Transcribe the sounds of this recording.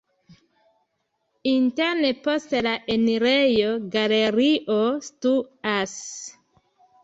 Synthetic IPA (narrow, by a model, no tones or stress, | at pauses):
inteɾnepo̞stlaʔeniɾejoɡaleɾiʔostuas